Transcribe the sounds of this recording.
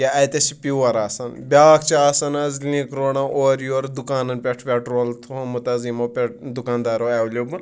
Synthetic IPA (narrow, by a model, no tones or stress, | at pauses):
jaɐjt̪ɐsipiʋɐɾaːsɐnbʲaːkʰt͡ʃaːsɐnɐzlĩːkɾoːɳɐʔoːɾjoːɾd̪ukaːnɐnpʲeʈʰpʲeʈɾoːlt̪ʰumut̪ɐzimɐpʲeʈd̪ukaːnd̪aːɾoɐwlʲobɨn